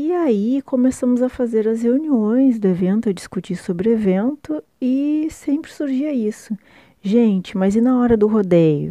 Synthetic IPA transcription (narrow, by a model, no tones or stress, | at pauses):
ɪaikʰomesɐ̃mʊzɐfazeɾɐsheuniõj̃zd̪ʊevẽnt̪ʊɐd͡ʒiskut͡ʃisobɾɪevẽnt̪ʊ | ɪsẽpɾɪ̥suɾʒiɐisʊ | ʒẽnt͡ʃɪ̥mɐzɪnɐɔɾɐd̪ʊɦod̪ejʊ̰